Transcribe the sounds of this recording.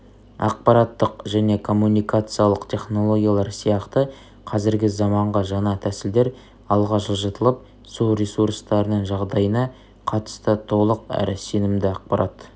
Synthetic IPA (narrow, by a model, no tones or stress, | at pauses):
ɑ̰q̚pɑɾɑt̪ːəqʒæne̞kʰo̞mːunijkat̪sɨjalˠəqt̪ʲʰe̞χno̞lˠo̞ɡʲijalˠɑɾsijɑqt̪ə | qʰɑzɪɾɡʲɪzɑmɑɴʁɑʒɑnɑt̪ʰæsɪld̪e̞ɾ | ɑlˠʁɑʃəʒət̪əlˠəp̚ | suɾesuɾst̪ɑɾənəɴʒɑʁd̪ɑjənɑ | qʰɑt̪ə̥st̪ət̪ʰo̞lˠəqæ̰ɾɪse̞nɪmd̪ɪɑq̚pɑɾɑt̪